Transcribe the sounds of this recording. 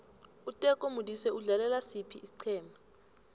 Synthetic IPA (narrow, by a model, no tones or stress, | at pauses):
utʼɛkʼomudisɛuɮalɛlasipʰiːsi̥ǀʰɛːma